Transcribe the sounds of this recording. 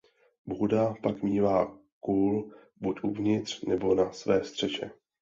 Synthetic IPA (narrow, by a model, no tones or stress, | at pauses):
bɦudapakmiːvaː | kuːl | bucʔuvɲɪt̪r̝̥nɛbo̞nasvɛːst̪r̝̥ɛʃɛ̰